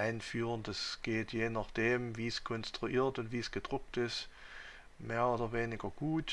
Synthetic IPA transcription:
ʔaɪnfyːʁəndasɡ̥eːtjeːnaχd̥eːmviːskʰɔnstʁ̥uʔiːɐtʊntv̥iːsɡ̥əd̥ʁʊk̚tɪst | meːɐʔoːdɐveːnɪɡɐɡ̥uːt

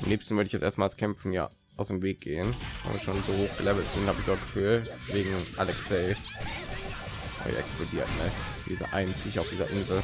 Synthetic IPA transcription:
ʔamnɛːpstn̩vʏəɪçjɛt͡sʔeːɐstmaːlskʰɛmfn̩ja̰ː | ʔaʊsd̥eːmveːk̚ɡ̥eːəna̰bə̰ʃoːnzoːhoːxɡ̥əlɛvl̩tz̥ɪnthaːbɪçd̥oɔɐt̚ɡ̥ə̥fyːlveːɡŋ̩ʔalɛksɛɪ | ha̰ːbɪ̰çɛ̰ksplodiːɐtnəd̥ḭːzɐ̰ʔa̰ɪntʰɪçaʊfdiːzɐʔɪnzl̩

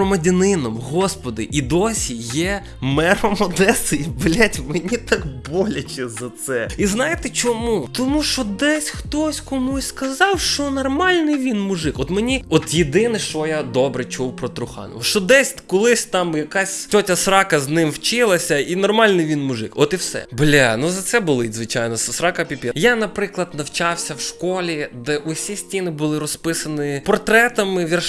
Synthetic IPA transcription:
ɔmɐdʲɐnɪnɔmɦɔspɔd̪ɪ̰ʔid̪ɔsʲijɛ | mɛɾɔmɔd̪ɛsɪiblʲatʲmenʲit̪ɑkbɔlʲɐt͡ʃɛzɐt̪sɛiznɑjɪt̪ɛt͡ʃɔmut̪ɔmuʃt͡ʃɔd̪ɛsʲxt̪ɔsʲkɔmusʲskɐzɑwʃt͡ʃɔnɔrmɑlʲnɪjʋʲinmʊʐɪkɔt̪menʲiɔt̪jed̪ɪnɪʃt͡ʃɔjad̪ɔbɾɛt͡ʃuwpɾɔt̪ɾʊxɑ̰nɪ̰ʃt͡ʃɔd̪ɛsʲkɔlˠɪsʲt̪ɑmjɐkasʲt̪ʲɔtʲɐsɾɑkɐznɪmwt͡ʃɪlˠɐsʲɐinɔrmɑlʲnɪjʋʲinmʊʒɪkɔt̪iwsɛ̰blʲanuzɐt̪sɛbʊlˠɪzʋɪt͡ʃajnɔssɾɑkɐpʲipʲɛjanɐpɾɪklˠɐd̪nɐwt͡ʃɑwsʲɐwʃkɔlʲid̪ɛʔʊsʲisʲtʲinɪbʊlˠɪɾɔspɪsɐnɪpɔrt̪ɾɛt̪ɐmɪʋʲir

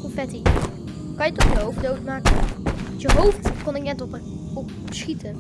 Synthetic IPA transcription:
ofɛti | kɑnjətɔχjəɦowfddowtmaːkənjəɦowftkɔnɪk̚nɛtp | ɔp | sχitən

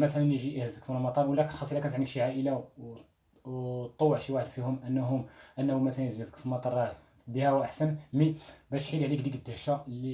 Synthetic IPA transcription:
mæt̪ælænjʒiʔihæzəkfunlmɑt̪ˤɑɾˤwlːækənxɑsˤʔilːækænt̪ʕnəkʃiʕaʔəla | t̪ˤːowːəʕʃiwaħəd̪fihʊmʔənːɦʊmʔənːhumæt̪ælænzæzə̥kfilmɑt̪ˤɑɾˤɑ | bəhæwʔaħsənmibæʃħilʕlikd̪ikəd̪ːæhʃæli

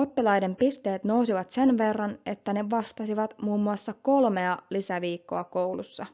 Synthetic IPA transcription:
opːilɑjde̞mpist̪e̞ːt̪no̞usiʋɑt̪se̞nʋe̞rːɑne̞t̪ːæne̞ʋɑst̪ɑsiʋɑt̪muːmːuɑsːɑko̞lme̞ɑlisæʋiːkːo̞̰ɑko̞wlusːɑ

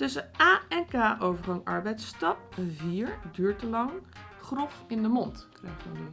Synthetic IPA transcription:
tɵsəaːɛnkaːʔowvəɹχɑŋɑ̰ɹbɛjtstɑp̚viːɹdyːɹtəlɑŋ | χrɔfɪndəmɔntkrɛjχɔni

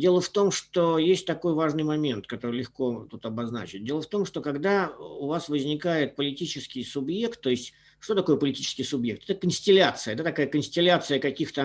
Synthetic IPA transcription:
dʲe̞lˠəft̪o̞mʂt̪ojesʲtʲt̪ɐko̞jvaʐnɨjmɐmʲent̪kɐt̪o̞ɾɨlʲɪxkot̪ut̪ɐbɐzna̰t͡ɕɪt̚ʲdʲe̞lˠəft̪o̞mʂt̪o̞kɐɡd̪aʊvasvəzʲnʲɪkajɪt̪̚pəlʲɪtʲit͡ɕɪskʲɪjsʊbje̞kt̪ːo̞ɪsʲtʲ | ʂt̪ot̪ɐko̞jəpəlʲɪtʲi̥t͡ɕɪ̥skʲɪjsʊbje̞k̚t̪ɛ̥t̪əkənsʲtʲɪlʲat̪sɨjəd̪at̪ɐkajəkənsʲtʲɪlʲat̪sɨjəkɐkʲixt̪ə

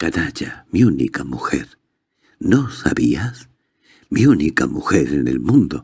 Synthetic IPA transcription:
kanat͡ʃamiunḭkamuxeɾ | nosa̰βias | miunikamuxeɾenḛlmũnd̪o

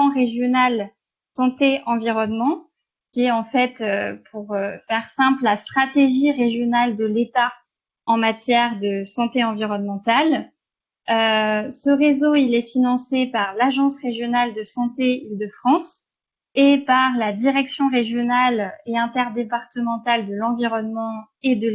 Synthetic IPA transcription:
ɑ̃ʁeʒjɔnal | sɑ̃t̪eʔɑ̃viʁɔnmɑ̃ | kʲiɛɑ̃fɛt̪øpʰuʁøfɛʁsɛ̃pllast̪χat̪eʒiʁeʒjɔnald̪əlet̪a | ɑ̃mat̪jɛʁd̪əsɑ̃t̪eɑ̃viʁɔnmɑ̃t̪al | øsəʁezoilɛfinɑ̃sepaʁlaʒɑ̃sʁeʒjɔnald̪əsɑ̃t̪eild̪əfχɑ̃s | epaʁlad̪iʁɛksjɔ̃ʁeʒjɔnaleɛ̃t̪ɛʁd̪epaʁt̪əmɑ̃t̪ald̪əlɑ̃viʁɔnmɑ̃ | ed̪ə

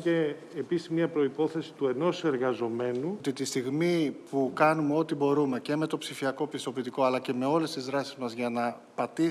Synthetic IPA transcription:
eː | pisizmiɐpɾo̞ipo̞θe̞si̥t̪ue̞no̞se̞ɾɣɐzo̞me̞nut̪it̪ist̪iɣmipukɐnume̞o̞t̪ibo̞ɾume̞ce̞me̞t̪o̞psifiɐko̞pist̪o̞pit̪iko̞ɐlɐce̞me̞o̞le̞st̪izðɾɐsizmɐzʝɐnɐ | pɐt̪i

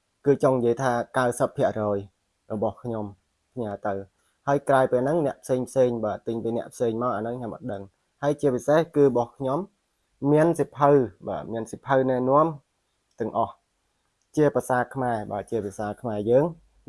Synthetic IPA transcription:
kɨːt͡ɕoŋjəjt̪ʰaːkawsəpʰːiəʔrɔːj | rɔɓɑhkʰɲom | pʰɲaːt̪ɨw | haəjkraɔpeːlnɨŋnɛ̆əʔpʰseːŋpʰseːŋɓaːt̪ɨŋpiːnɛ̆əʔpʰseːŋmaɔʔanɨŋkʰɲomʔə̰ɗəŋ | haəjt͡ɕiəpisehkɨːɾɓɑhkʰɲomː | iənsipʰəwɓa̰ːmiənsipʰəwnɛənŏəm | t̪ɛ̆əŋʔɑh | t͡ɕiəpasaːkʰmaɛɓaːt͡ɕiəpisaːkʰmaɛjəːŋ

